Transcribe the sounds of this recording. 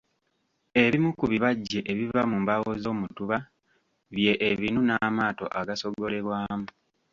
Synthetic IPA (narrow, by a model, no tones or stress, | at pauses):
e̞βimukuβiβaɟːe̞ʔeβivamumbawo̞zo̞ːmutuβa | βje̞ʔeβinunamaːto̞̰ʔaɡaso̞ɡo̞le̞ɾwaːmu